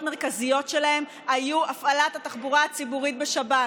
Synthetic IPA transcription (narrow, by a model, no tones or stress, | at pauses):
tmeʁkazijo̞tʃe̞lahe̞m | ajuafalathataχbuʁaːt͡sibuʁit̪̚beʃaba